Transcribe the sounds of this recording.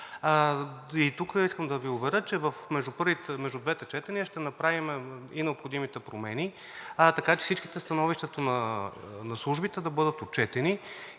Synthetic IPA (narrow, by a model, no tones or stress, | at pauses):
it̪ukəiskəmd̪ɐviʊbɛɾət͡ʃɛvəfmɛʒd̪upɤɾvit̪mɛʒd̪ʊd̪vɛt̪ɛt͡ʃɛt̪ɛniəʃt̪ɛnɐpɾavimɛinɛopxod̪imit̪ɛpɾomɛni | t̪ɐkat͡ʃɛ̥sit͡ʃki̥t̪ɛst̪ɐnɔviʃt̪ɛt̪onɐ | nɐslˠuʒbit̪ɛd̪ɐbɤd̪ət̪ot͡ʃɛt̪ɛni